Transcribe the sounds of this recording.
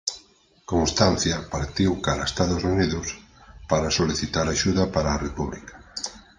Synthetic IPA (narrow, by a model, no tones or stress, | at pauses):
koŋst̪anθjɐpaɾt̪iwkaɾaest̪aðʊsuniðʊs | paɾasoliθit̪aɾaʃuðɐpaɾaːrepuβlikḁ